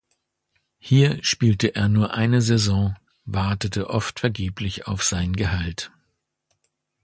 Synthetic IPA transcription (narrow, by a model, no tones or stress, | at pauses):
hiːɐʃpiːltəʔeːɐnuːɐʔaɪnəzɛzɔ̃ː | vaɐtətəʔɔftfɛɐɡeːplɪça̰ʊfz̥aɪnənɡəhalt